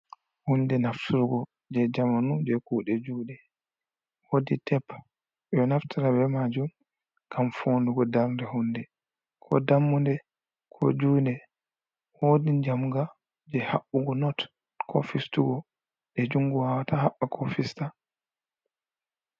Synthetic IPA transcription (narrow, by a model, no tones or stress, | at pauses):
hundɛnaftʰuɾuɡɔ | d͡ʒɛd͡ʒamanud͡ʒɛkuːɗɛd͡ʒuːɗɛ | hoditʰɛpː | ɗɔnaftʰiɾabɛmad͡ʒum | kamfonduɡɔdaɾndɛhundɛ | kʰɔ̰damːundɛ | kʰɔ̰d͡ʒuːndɛ | hodid͡ʒamɡa | d͡ʒɛhaɓuɡɔnɔt | kʰɔ̰fistuɡɔ | ɗɛd͡ʒuŋɡuwawatahaɓːakʰɔfista